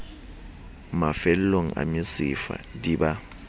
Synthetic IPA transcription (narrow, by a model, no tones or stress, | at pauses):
mafɛlloŋ̩a̰misifa̰diɓa